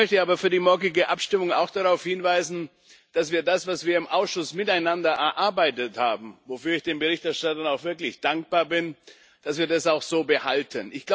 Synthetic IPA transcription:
œçtəaːbɐfyːɐdiːmɔɐɡɪɡəʔapʃtɪmʊŋa̰ʊxd̥aʁaʊfhɪnvaɪzn̩ | d̥asv̥iːɐdasv̥asv̥iːɐɪmʔaʊsʃʊsmɪtaɪnandɐʔɛɐʔaɐbaɪtəthaːbm̩vofyːɐɪçd̥eːnbəʁɪçtɛɐʃtatɐnaʊxv̥ɪɐklɪçd̥aŋk̚b̥aːɐbɪn | d̥asv̥iːɐdasaʊxz̥oːbəhaltʰənʔɪçɡ̥la

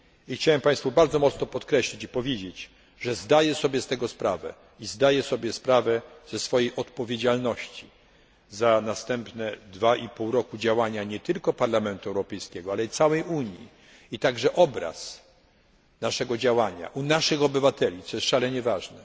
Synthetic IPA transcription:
ixt͡ɕawɛmpaj̃st̪fubaɾd̪zɔmɔt̪snɔpɔt̪kɾɛɕlʲit͡ɕipɔvʲjed͡ʑet͡ɕ | ʐɛzd̪ajɛsɔbʲjɛst̪ɛɡɔspɾavɛ̰ | izd̪ajɛsɔbʲjɛspɾavɛz̥ɛsfɔjejʔɔt̪pɔvʲjed͡ʑalnɔɕt͡ɕi | zanast̪ɛmpnɛd̪vaʔipuwɾɔkud͡ʑawaɲaɲɛt̪ɘlkɔpaɾlamɛnt̪uɛwɾɔpɛjskʲɛɡɔalɛit̪sawɛjuɲjḭ | it̪aɡʐɛʔɔbɾa̰s | naʂɛɡɔd͡ʑawaɲa̰ʔunaʂɘxɔbɘvat̪ɛlʲit̪sɔjɛstʂalɛɲɛvaʐnɛ

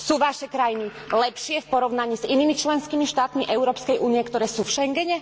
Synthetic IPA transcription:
suːʋaʃɛkɾajini | lɛpʃɪɛfpɔɾɔʊnaɲiːziniːmit͡ʃlɛnskiːmiʃt̪aːt̪miʔɛʊɾɔːpskɛjʔuːniɛkt̪ɔɾɛːsuːfʃɛŋɡɛɲɛ

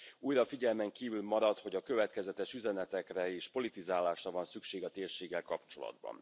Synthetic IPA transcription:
uːjɾɒfiɟɛlmɛŋkiːvylmɒɾɒt̪ho̞ɟɒkøvɛt̪kɛzɛt̪ɛʃyzɛnɛt̪ɛkrɛeːʃpo̞lit̪izaːlaːʃrɒvɒnsykʃeːɡɒt̪eːrʃeːɡːɛlkɒpt͡ʃo̞lɒ̰d̪bɒ̰n

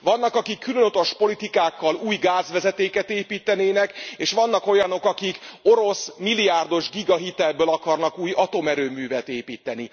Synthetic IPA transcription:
ʋɒnːɒkɒkikːylønot̪oʃpo̞lit̪ikaːkːɒluːjɡaːzʋɛzɛt̪eːkɛt̪eːpiːt̪ːɛneːnɛkeːʃʋɒnːɒko̞jɒno̞kɒkiko̞ɾo̞smilːijaːrd̪o̞ʒɡiɡɒɦit̪ɛlbøːlɒkɒrnɒkuːjɒt̪o̞mɛɾøːmyːvɛt̪eːpiːt̪ːɛni

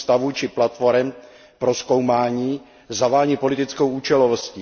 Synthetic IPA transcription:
st̪avut͡ʃɪplat̪foɾɛm | pɾo̞sko̞wmaːɲiː | zavaːɲipo̞lɪt̪ɪt͡skowuːt͡ʃɛlovosci

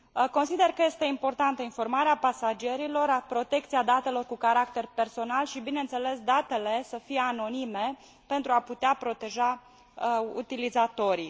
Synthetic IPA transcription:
ko̞nsid̪e̞rkəje̞st̪e̞impo̞rt̪ant̪əinfo̞rmaɾeapasad͡ʒie̞ɾilo̞rpɾo̞t̪e̞k̚t̪siad̪at̪e̞lo̞rkukaɾakt̪e̞rpe̞rso̞nalʃibinent̪se̞le̞sd̪at̪e̞le̞səfijeano̞nime̞ | pe̞nt̪ɾuaput̪eapɾo̞t̪e̞ʒa | ṵt̪ilizat̪o̞ɾi

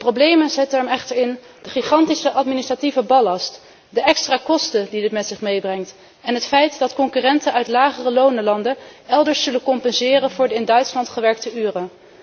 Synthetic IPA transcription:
əprowblejmənzɪtəɛmɛχtəɹɪn | d̥əχiχɑntisəʔɑtministrativəbɑlɑst | dəʔɛkstraːkɔstədidɪtmɛtsɪχmejbrɛŋt | ɛnɦətfɛjtdɑtkɔŋkyːrɛntənœɥtlaːχərəlownəlɑndəɛlˠdəɹsːɵləkɔmpɛnzɪːrənvʊːɹdəɪndœɥtslɑntχəʋɛɹk̚təyːrə

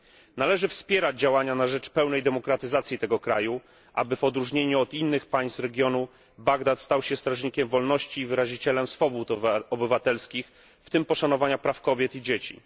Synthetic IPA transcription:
nalɛʐɘfspʲjɛɾad͡ʑd͡ʑawaɲanaʐɛt͡ʂpɛwnɛjd̪ɛmɔkɾat̪ɘzat̪sʲjit̪ɛɡɔkɾa̰ju | ʔa̰bɘvɔd̪ɾuʐɲeɲuɔd̪inːɘxpaj̃st̪ɾɛɡʲjɔnu | baɡd̪at̪st̪awɕɛst̪ɾaʐɲikʲɛmvɔlnɔɕt͡ɕiːvɘɾaʑit͡ɕɛlɛmsfɔbut̪ɔbɘvat̪ɛlskʲix | ft̪ɘmpɔʂanɔvaɲapɾafkɔbʲjɛt̪id͡ʑet͡ɕḭ

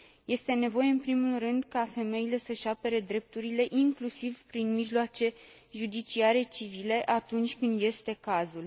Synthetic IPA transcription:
je̞st̪e̞ne̞vo̞je̞ɨnpɾimulrɨnd̪kafe̞me̞ile̞səʃape̞ɾe̞d̪ɾe̞p̚t̪uɾile̞ʔiŋklusivpɾinmiʒloat͡ʃe̞ | ʒud̪it͡ʃiaɾe̞t͡ʃivile̞ʔat̪unt͡ʃʲkɨnd̪je̞st̪e̞kazul

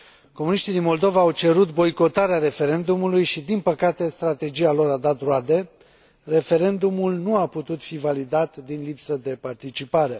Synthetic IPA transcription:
ko̞muniʃt̪id̪inmo̞ld̪o̞vaːwt͡ʃe̞ɾut̪bo̞jko̞t̪aɾeaɾe̞fe̞ɾe̞nd̪umulujʃid̪inpəkat̪e̞st̪ɾat̪e̞d͡ʒialo̞ɾad̪at̪road̪e̞ | re̞fe̞ɾe̞nd̪umulnuaput̪ut̪fivalid̪at̪d̪inlipsəd̪e̞part̪it͡ʃipaɾe

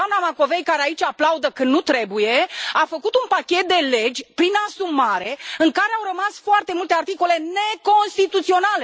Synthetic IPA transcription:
anamako̞ve̞jkaɾeait͡ʃʲaplaud̪əkɨnnut̪ɾe̞buje̞afəkut̪unpakʲet̪̚d̪e̞le̞d͡ʒʲpɾinasumaɾe̞ɨŋkaɾe̞awɾəmasfoart̪e̞mult̪e̞art̪iko̞le̞ne̞ko̞nst̪it̪ut̪sio̞nale

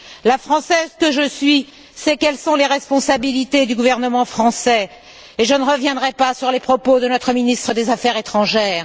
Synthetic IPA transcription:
lafχɑ̃sɛzkəʒəsɥi | sɛkɛlsɔ̃leʁɛspɔ̃sabilit̪ed̪yɡuvɛʁnəmɑ̃fχɑ̃sɛ | eʒənəʁəvjɛ̃d̪ʁɛpasyʁlepχɔpod̪ənɔt̪χəminist̪χəd̪ezafɛʁet̪χɑ̃ʒɛːʁ

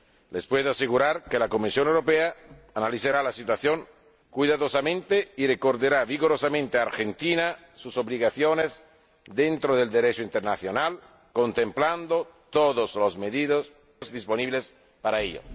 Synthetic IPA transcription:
lespweðoaseɣuɾaɾkelakomisjonewɾopeaː | naliθaɾalasit̪waθjoŋ | kwuiðaðosamẽnt̪eirekoɾd̪eɾaviɣoɾosamẽnt̪eaːɾxent̪ina | susoβliɣaθjonez | d̪ent̪ɾoðeld̪eɾet͡ʃoint̪eɾnaθjonal | kont̪empland̪ot̪oðoslozmeðiðos | zd̪isponiβles | paɾaeʎo̰

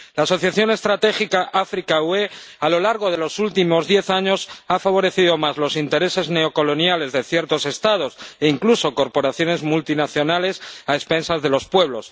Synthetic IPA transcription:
laːso̞θjaθjo̞ne̞st̪ɾat̪e̞xikaʔafɾikawe̞ | alo̞laɾɣ̞o̞ðe̞lo̞sult̪imo̞zðje̞θaɲo̞safaβ̞o̞ɾe̞θiðo̞mazlo̞sint̪e̞ɾe̞se̞zne̞o̞ko̞lo̞njale̞zðe̞θjeɾt̪o̞se̞st̪aðo̞se̞iŋkluso̞ko̞ɾpo̞ɾaθjo̞ne̞zmult̪inaθjo̞nale̞saespe̞nsazðe̞lo̞spwe̞β̞lo̞s

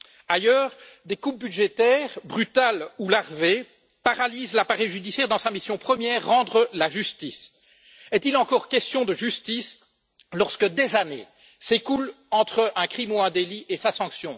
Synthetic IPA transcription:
ajœːʁd̪ekup̚byd̪ʒet̪ɛːʁbʁyt̪alulaʁve | paʁalizlapaʁɛjʒyd̪isjɛːʁd̪ɑ̃samisjɔ̃pχəmjɛːʁːɑ̃d̪ʁəlaʒyst̪is | ɛt̪ilɑ̃kɔʁkʲɛst̪jɔ̃d̪əʒyst̪is | lɔʁskəd̪ezanḛ | sekul | ɑ̃t̪χəʔɛ̃kχimuɛ̃d̪eliʔesasɑ̃ksjɔ̃

